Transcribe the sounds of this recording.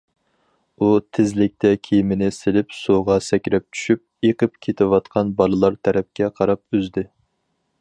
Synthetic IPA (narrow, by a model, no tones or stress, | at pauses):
ut̪ʰɪzlɪk̚ʲt̪ʰɛkʲʰejmɪnɪsɪlɪpsuʁɑsɛkʲɾɛp̚t͡ʃʰy̥ʃyp̚eqəpkʲʰet̪ʰɪwɑt̪qʰɑnbɑlˠɨlˠɑɾt̪ʰæɾɛp̚kʲɛqʰɑɾɑp̚øzd̪ɪ